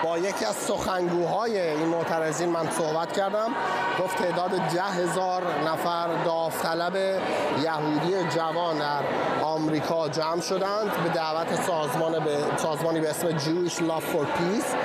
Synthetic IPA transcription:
b̥ɒːjecʰiːæz̥so̞xæŋɡuːɦɒːje̞iːnmoʔt̪ʰæɾeziːnmænsohbæt̪cʰæɾd̪æm | ɡ̥o̞ft̪ʰːe̞ːʔd̪ɒːd̪ed̪æɦe̞zɒːɾ | næfæɾd̪ɒːft̪ʰælæbe | jæɦuːd̪ied͡ʒævɒːnd̪æɾ | ɒːmɾiːkʰɒːd͡ʒæmʃo̞d̪ænd̪be̞d̪æʔvæt̪ʰesːzmɒː | sɒːzmɒːniːbeesmed͡ʒuːiʃlɒːffoɾpʰiːs

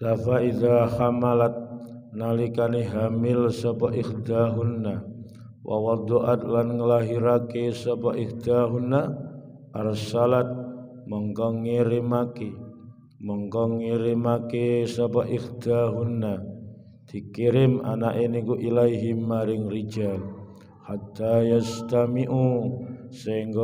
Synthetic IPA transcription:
lafaiðaxamalat̪̚ | nalikaniɦamɪlsabaʔihd̪aɦunːa | wʔa̰wad̪oʔat̪lanŋəlaɦiɾakesabaʔihd̪aɦunːa | aɾasalat̪̚ | məŋkɔŋːeɾɪmake | mɔŋkɔŋːiɾɪmakesabaʔihd̪aɦunːa | t̪ikiɾɪma̰naʔinikuʔilajɦimːaɾɪŋrid͡ʒal | hat̪ːajast̪amiʔu | saiŋɡ

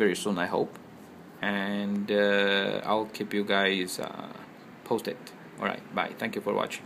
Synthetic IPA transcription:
vɛɹisũnajɦo̰p | ɛ̃ndaa̰ɪlkʰipjuɡaɪzʌ̰ | pʰostɪt̚ | ɔ̰lɹa̰ɪt̚ba̰ɪt̪ʰɛ̃ŋkjufɔ̰ɹwɔ̰t͡ʃɪ̥̃ŋ

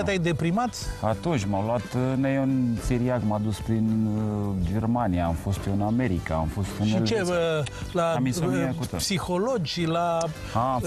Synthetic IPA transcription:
t̪ajd̪e̞pɾimat̪sʲat̪unt͡ʃʲmawloat̪nejonseɾiakmad̪uspɾin | d͡ʒe̞rmaniaːmfo̞st̪oɨname̞ɾika̰ːmfo̞st̪ɨnit͡ʃe | laamisoniekut̪psixolod͡ʒʲla | a

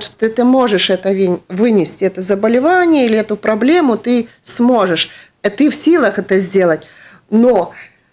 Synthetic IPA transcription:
ʂt̪o̥t̪ɨt̪ɨmo̞ʐɨʂɛt̪əvʲvɨnʲɪsʲtʲɪɛt̪əzəbəlʲɪvanʲɪjəilʲɪɛt̪ʊpɾɐblʲe̞mʊt̪ɨsmo̞ʐɨʂ | t̪ɨfsʲilˠəxɛt̪əzʲdʲe̞lˠətʲ | no

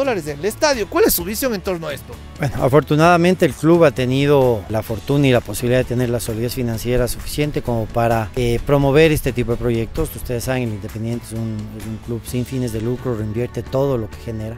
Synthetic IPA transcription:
olaɾeselest̪aðjokwalesːuβisjo̞ŋent̪o̞ɾnoaest̪o | bwenoa̰fo̞ɾt̪unaðamẽnt̪e̞ːlkluβat̪e̞nið̞o̞lafo̞ɾt̪unailaposiβiliðaðet̪e̞ne̞ɾlasoliðesfinãnsje̞ɾasufi̥sje̞nt̪e̞ko̞mo̞paɾaepɾo̞mo̞β̞e̞ɾe̞st̪e̞t̪ipo̞ðe̞pɾo̞ʝe̞k̚t̪o̞sust̪e̞ðesːaβeŋelind̪e̞pend̪je̞nt̪esunuŋkluβsiɱfine̞zðe̞lukɾoreimbje̞ɾt̪e̞t̪o̞ðo̞lo̞ke̞̥xe̞ne̞ɾa

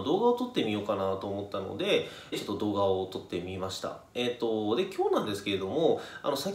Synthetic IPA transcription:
d̪o̞ːɡao̞t̪o̞t̪ːe̞mʲio̞ːkanat̪o̞ːmo̞t̪ːano̰d̪e̞ | t͡ɕo̞t̪ːod̪o̞ːɡaot̪o̞t̪ːe̞mʲimaɕi̥t̪a̰ | et̪ːo̞d̪e̞kʲʰo̞ːnãnd̪e̞sɨ̥ke̞ɾe̞d̪o̞mo̞a̰no̞sa

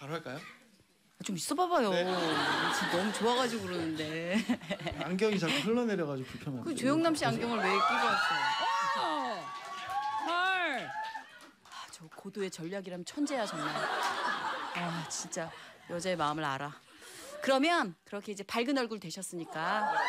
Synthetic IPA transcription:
paɾoɦaɭk͈ajo | at͡ɕomis͈ʌbabajot͡ɕʰinʌmut͡ɕoaɣad͡ʑiɡoɾonɯnde̞ | aŋɡjʌŋit͡ɕak͈ʰusʰɯɭːʌne̞ɾjʌɣad͡ʑiɡopuɭpʰjʌnɦakɯtwejoŋnamɕ͈iaŋɡjʌŋɯɭwe̞ik͈uɡʌat͈ʰao | paɭ | at͡ɕʌkodoe̞t͡ɕʌʎːaɡiɾamjʌnt͡ɕʰʌnd͡ʑeɦaɕanːa | at͡ɕint͡ɕ͈ajʌd͡ʑae̞maɯmɯɾa̰ɾa | kɯɾʌmjʌnkɯɾʌkʰe̞id͡ʑe̞paɭɡɯnʌɭɡuɭtwe̞ɕʰʌs͈ɯɲik͈a

